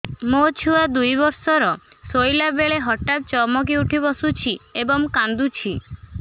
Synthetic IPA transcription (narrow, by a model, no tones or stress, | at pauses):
mot͡ʃʰuad̪ujbɔɾsɔɾɔ | sojlabeɭeɦɔʈap̚t͡ʃɔmɔk̬iuʈʰibɔsut͡ʃʰiebɔŋkand̪ut͡ʃʰi